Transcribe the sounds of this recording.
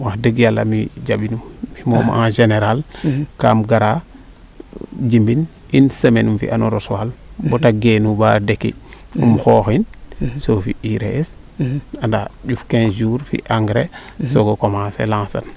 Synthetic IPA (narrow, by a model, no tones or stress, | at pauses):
wahdəɡjalːa̰mid͡ʒabinumːimomã̰ŋʒeneɾalkamɡaɾa | d͡ʒimbin | insəmenumfḭʔanoɾoswalbotaɡenubadekḭumxoxinsofḭiɾḛes | andaɟufkẽnd͡ʒuːɾfḭʔaŋɡɾesoɡokomaːsḛlãːsa̰n